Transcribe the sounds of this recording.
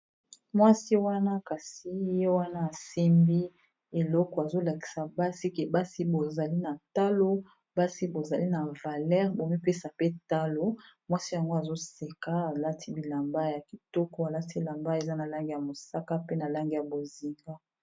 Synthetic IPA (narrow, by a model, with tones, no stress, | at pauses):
mwa˦si˦wa˦na˦ka˨si˨je˦wa˦naː˦˨si˦mbi˦ | e˨lɔ˦kɔ˨a˨zo˦la˨ki̥˨sa˨ba˦si˦ke˨ba˦si˦bo˨za˨li˦na˨ta˦lo˦ | ba˦si˦bo˨za˨li˦na˨va˨lɛ˦ʁbo˨mi˦pe˦sa˨pe˦ta˦lo˦mwa˦si˦ja˨ŋɡo˦a˨zo˦se˨ka˦a˨la˦tʰi˦bi˨la˨mba˦ja˨ki˨tɔ˦kɔ˦a˨la˦ti˦e˨la˨mba˦e˨za˦na˨la˦ŋɡi˦˨ja˨mo˨sa˦ka˦pe˦na˨la˦ŋɡi˨ja˨bo˨zi˨ŋɡa˦